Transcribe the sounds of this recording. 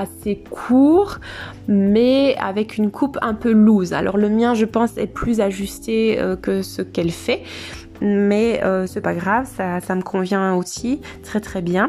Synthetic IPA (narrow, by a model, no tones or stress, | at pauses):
asekʰuːʁ | mɛa̰vɛkynkʰupʰɛ̃pøluza̰lʔɔ̰ʁləmjɛ̃ʒəpɑ̃sɛ̰plyzaʒyst̪eø̰kəsəkɛlfɛ | mɛøsɛpaɡʁavsasaməkʰɔ̃vjɛ̃osi | t̪χɛt̪χɛbjɛ̃